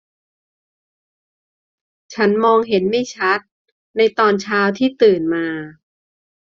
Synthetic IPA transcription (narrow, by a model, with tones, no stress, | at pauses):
t͡ɕʰa˦˥nmɔː˧ŋɦe˩˦nma˥˩jt͡ɕʰa˦˥t̪̚ | na˧jt̪ɔː˧nt͡ɕʰaː˧wt̪ʰiː˥˩t̪ɯː˨˩nmaː˧